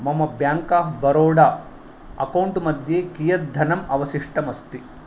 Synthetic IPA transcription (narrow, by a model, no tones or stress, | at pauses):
mɐmɐbjaːŋkaːɦbɐɾoːɽaː | ɐ̰kɐwɳʈumɐd̪jeːkijɐt̪̚d̪ʱɐnɐmɐʋɐsiʂʈɐmɐst̪i